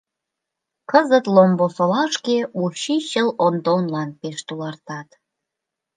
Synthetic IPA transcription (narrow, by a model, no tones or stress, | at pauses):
kəzət̪lombosolɑʃkeuɕiɕəlond̪onlɑnpeʃt̪ulɑrt̪ɑt̪